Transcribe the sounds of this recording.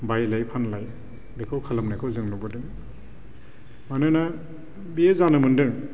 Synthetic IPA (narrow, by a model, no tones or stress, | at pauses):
bajlajpʰanlaj | bekʰɯwkʰalamnajkʰɯwzɯŋnɔbɯdɯŋ | manɯna | biezanɯmɯndɯŋ